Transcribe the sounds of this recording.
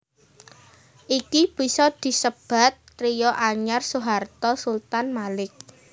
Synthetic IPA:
ʔikib̥i̤sɔd̪̥i̤səb̥a̤t̪̚ː | ɾijɔʔaɲarsuɦart̪ɔsult̪anmalɪk̚

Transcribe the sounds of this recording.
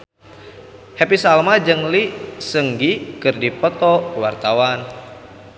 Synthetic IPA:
hɛpisalmad͡ʒɨŋlisəŋɡikɨrdipət̪ɔwart̪awan

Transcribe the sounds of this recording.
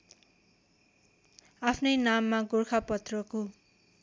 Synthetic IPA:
apʰnʌjnamːaɡorkʰapʌt̪rʌko

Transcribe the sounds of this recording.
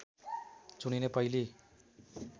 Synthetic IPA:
t͡suninepʌili

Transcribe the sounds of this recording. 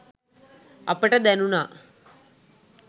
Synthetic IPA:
ɐ̰pəʈɐd̪ɛnunaː

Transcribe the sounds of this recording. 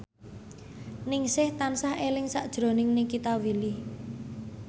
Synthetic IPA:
nɪŋsɪht̪ansahelɪŋsaʔd̥ʒ̥ɾo̤nɪŋnekit̪awili

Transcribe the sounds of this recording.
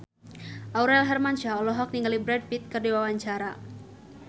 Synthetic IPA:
ʔauɾɛlɦɛrmant͡ʃaɔlɔɦɔk̚niŋɡalibɾɛd̚pit̪̚kərdiwawaɲt͡ʃaɾa

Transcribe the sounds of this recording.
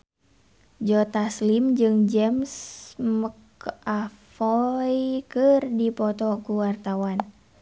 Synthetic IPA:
d͡ʒɔt̪aslimd͡ʒɨŋd͡ʒɛmsmək | afɔjkɨrdipɔt̪ɔkuwart̪awan

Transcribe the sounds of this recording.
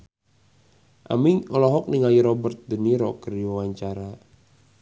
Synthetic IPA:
ʔa̰miŋɔlɔɦɔk̚niŋajiɾɔbərt̪̚dəniɾɔkərijɔwaɲt͡ʃaɾa

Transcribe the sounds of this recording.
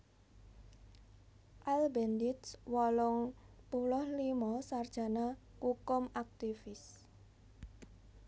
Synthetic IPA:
ʔalbɛnd̪ɪt̪swɔlɔŋpulɔhlimɔsard̥ʒ̥a̤na | kukʊmak̚t̪ifɪs

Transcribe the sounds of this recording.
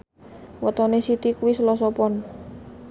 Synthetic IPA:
wət̪ɔnesit̪ikuwisəlɔs̬ɔpɔn

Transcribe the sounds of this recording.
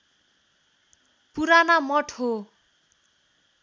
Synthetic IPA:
puɾanamʌʈʰɦo

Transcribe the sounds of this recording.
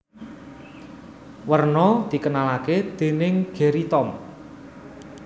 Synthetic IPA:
wərnɔd̪̥i̤kənalaked̪̥e̤nɪŋɡ̥e̤ɾit̪ɔm

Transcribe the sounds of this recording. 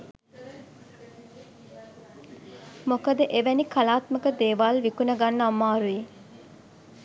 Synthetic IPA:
mokəd̪əʔeʋænikʰalaːt̪məkəd̪eːʋaːlʋikunəɡanːəamːaːɾui

